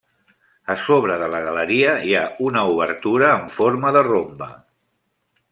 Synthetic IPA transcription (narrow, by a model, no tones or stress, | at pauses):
əsoβɾəðələɣələɾiəiaunəuβ̞əɾt̪uɾəːɱfoɾməðərombə